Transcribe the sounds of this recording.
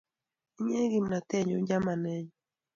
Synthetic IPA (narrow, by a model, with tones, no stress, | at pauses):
i˦ɲe˦ɡi˨mna˨t̪ɛ˦ɲo˨d͡ʒa˦ma˨nɛ˦ɲɔ˨